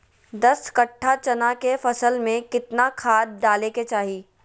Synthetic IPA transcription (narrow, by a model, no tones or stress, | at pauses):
d̪ɐskɐʈʰːat͡ʃɐnakefɐsəlmẽkɪt̪nakʰaːd̪̚ɖaːleket͡ʃaːɦiː